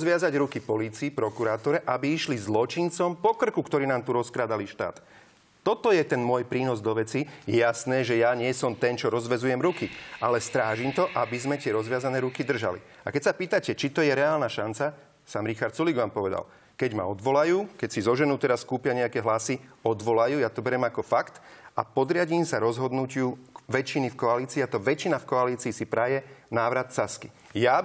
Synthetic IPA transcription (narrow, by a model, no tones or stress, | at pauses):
zʋɪazaɟɾukipɔliːt͡siːpɾɔkuɾaːt̪ɔɾɛʔabiiʃlizlɔt͡ʃint͡sɔmpɔkr̩kukt̪ɔɾiːnaːmt̪uɾɔskɾaːd̪aliʃt̪a̰ːt̪ː | ɔt̪ɔjɛt̪ɛnmʊɔjpɾiːnɔzd̪ɔʋɛt͡sijɛjasnɛːʒɛjaɲɪɛsɔmt̪ɛnt͡ʃɔɾɔzʋɛzujɛmɾukialɛst̪ɾaːʒimt̪ɔʔabizmɛt̪ɪɛɾɔzʋɪazanɛːɾukid̪r̩ʒa̰lḭ | akɛcsapiːt̪acɛt͡ʃit̪ɔjɛɾɛaːlnaʃant͡sa | samɾixaɾt̪suliɡʋaːmpɔʋɛd̪a̰l | kɛɟma̰ɔd̪ʋɔlajuːkɛcsizɔʒɛnuːt̪ɛɾaskuːpɪjaɲɛakɛɦlasiɔd̪ʋɔlajuːjat̪ɔbɛɾɛmakɔfakt̪a̰pɔd̪ɾɪaɟiːmsaɾɔzɦɔd̪nucɪuʋɛt͡ʃinifkɔaliːt͡siːat̪ɔʋɛt͡ʃinafkɔaliːt͡siːsipɾajɛnaːʋɾat̪saski | ja